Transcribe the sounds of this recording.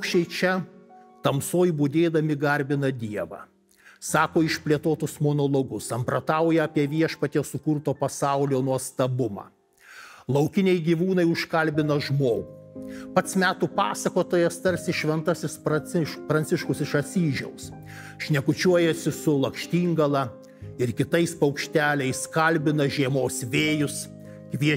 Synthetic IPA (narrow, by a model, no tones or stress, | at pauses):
ʊkʃʲt͡ʃʲɛɪt͡ʃʲɛt̪ɐmsoːjbud̪ʲeːd̪ɐmʲɪɡɐɾʲbʲɪnɐd̪ʲiɛʋɑ̰ | sɑːkoːɪʃʲpʲlʲiɛt̪oːt̪ʊsmoːnoːlˠoɡʊsɐmpɾɐt̪ɐˑʊjɛɐpʲiɛʋʲiɛʃpɐt̪ʲɛsʊkʊɾt̪oːpɐsɑʊlʲoːnuɔst̪ɐbʊmɑ̰ː | lˠɐʊkʲɪnʲɛɪɡʲiʋuːnɐɪʊʃkɐlʲbʲɪnɐʒmoːɡuːpɐt̪smʲæːt̪uːpɑːsɐkoːt̪oːjɛst̪ɐɾʲsʲɪʃʲʋʲɛnt̪ɐsʲɪspɾɐɪʃpɾɐnʲt̪sʲɪʃkʊsɪʃɐt̪ʲsʲiːʒʲɛʊs | ʃʲnʲɛkʊt͡ʃʲuɔjɛsʲɪsʊlˠɐkʃʲt̪ʲiːŋɡɐlˠɐ | ɪɾkʲɪt̪ɐɪspɐʊkʃʲt̪ʲæːlʲɛɪskɐlʲbʲɪnɐʒʲiɛmoːsʋʲeːjʊs | kʋʲiɛ